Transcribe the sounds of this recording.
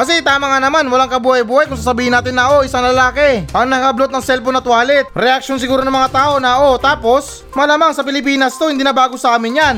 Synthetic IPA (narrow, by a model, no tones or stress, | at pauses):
kɐsɛt̪aːmɐŋanɐmanwɐlaŋkɐbuːhɐjbuːhɐjkʊŋs̬aːsɐbiːhɪnaːt̪ɪnːɐʔo̞ʔɪsaŋlɐlaːkɛʔɐŋnɐŋɐblot̪̚nɐŋsɛlponɐt̪waːlɛt̪̚ɾɛʔak̚ʃons̬ɪɡuːɾonɐŋmɐŋat̪aːʔo̞nɐʔo̞t̪aːpo̞s | mɐlamaŋsɐpɪlɪp̬iːnɐst̪o̞hɪnd̪iːnɐbaːɡosɐaːmɪnjan